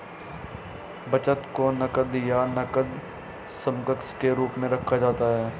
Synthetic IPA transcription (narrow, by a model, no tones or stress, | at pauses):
bɐt͡ʃət̪konɐkəd̪janɐkəd̪ | sɐ̃mkəkskeɾuːpmẽɾɐkʰːad͡ʒaːt̪aɦɛː